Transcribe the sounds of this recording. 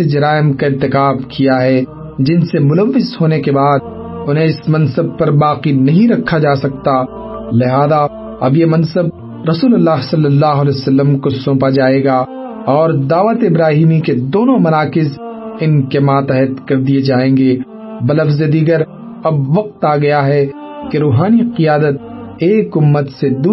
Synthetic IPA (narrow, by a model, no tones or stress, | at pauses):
sed͡ʒɐɾaːɪmkaɪɾt̪ɪkaːbkijaɦɛ | d͡ʒɪnsemʊləʋːɪzɦoːnekebaːd̪̚ | ʊnɦẽɪsmɐ̃nsəb̚pɐɾbaːqinɐɦĩɾɐkʰːad͡ʒaːsɐk̚t̪a | lɪɦaːd̪a | ɐ̰bjemɐ̃nsəb̚ | ɾɐsuːləlːaːɦsɐlːəlːaːɦʊlɛːjsɐlːəmkosõːpad͡ʒaːeːɡaː | ɔːɾd̪aːʋət̪ɪbɾaːɦiːmiked̪oːnõmɐnaːkɪzɪnkemãːt̪ɛɦət̪kɐɾd̪ied͡ʒaːẽːŋɡe | bɐlɐfzed̪iːɡəɾ | ɐbʋɐq̚t̪aːɡɐjaɦɛ | keɾuːɦaːniqijaːd̪ət̪̚eːkʊmːət̪sed̪u